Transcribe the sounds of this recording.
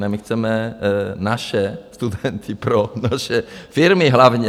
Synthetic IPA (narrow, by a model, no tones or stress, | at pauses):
namixt͡sɛmɛnaʃɛst̪ud̪ɛnt̪ʰipɾɔnaʃɛfiɾmiɦlaʋɲɛ